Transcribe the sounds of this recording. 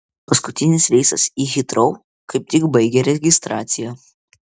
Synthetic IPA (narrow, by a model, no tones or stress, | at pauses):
pɐskʊt̪ʲɪnʲɪsʋʲɛɪsɐsiːɣʲɪt̪ɾɒʊ | kɐɪp̚t̪ʲɪkbɐɪɡʲɛɾʲɛɡʲɪst̪ɾɑːt̪sʲɪjɛ